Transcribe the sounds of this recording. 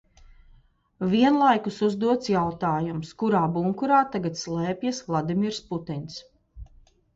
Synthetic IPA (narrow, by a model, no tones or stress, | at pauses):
viɛnlˠajkusuzd̪uɔt̪sjawt̪aːjumskuɾaːbuŋkuɾaːt̪aɡat̪slˠɛːpʲjasvlˠad̪imiɾsput̪ins